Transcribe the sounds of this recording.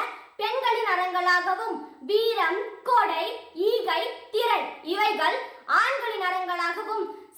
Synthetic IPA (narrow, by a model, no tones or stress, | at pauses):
pɛnɡɐɭɪnɐɽɐŋɡɐɭaːɣɐʋɯmʋiːɾɐmkoːɽɐɪiːɣɐɪt̪ɪɾɐɽɪʋɐɪɣɐɭaːɳɡɐɭɪnɐɽɐŋɡɐɭaːɣɐʋɯm